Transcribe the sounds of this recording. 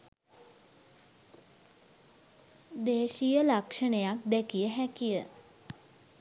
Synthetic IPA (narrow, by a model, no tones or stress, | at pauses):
d̪eːʃijəlakʂənəjak̚d̪ɛkijəɦækijə